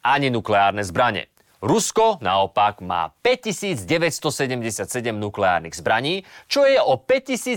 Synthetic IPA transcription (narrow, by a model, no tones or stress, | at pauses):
ʔaɲinuklɛaːɾnɛzbɾaɲɛ̰ | ɾuskɔnaɔpaɡma̰ːpɛc̚cːisiːd͡zɟɛʋɛcst̪ɔsɛɟɛmɟɛsɪat̪sɛɟɛmnuklɛa̰ːɾniɣzbɾaɲiːt͡ʃɔjɛʔɔpɛc̚cːisiː